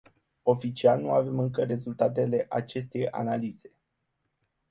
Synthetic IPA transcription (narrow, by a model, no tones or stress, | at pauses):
o̞fit͡ʃialnuave̞mɨŋkəɾe̞zult̪at̪e̞le̞ʔat͡ʃe̞st̪e̞ja̰naliz̥e̞